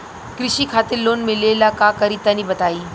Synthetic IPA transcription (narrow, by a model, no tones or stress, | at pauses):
kɾɪʃikʰaːt̪ɪɾloːnmẽleːlakakɐɾiːt̪ɐnĩbɐt̪aːiː